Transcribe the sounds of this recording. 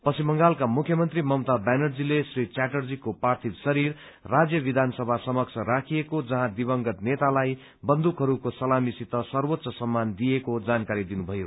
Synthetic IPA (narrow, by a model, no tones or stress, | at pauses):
pʌsʰimʌŋɡalkamukʰjʌmʌnt̪rimʌmt̪abanʌrd͡zilesrit͡saʈʌrd͡zikopart̪ʰisʌɾirː | ad͡zjʌbid̪ʱansʌbʱasʌmʌk̚t͡sʰʌɾakʰijekod͡zʌɦãd̪ibʌŋɡʌt̪net̪alaj | bʌnd̪ukɦʌɾukosʌlamisit̪ʌsʌrwot̪ːsʌsʌmːand̪ijekod͡zankaɾid̪inubʱʌjo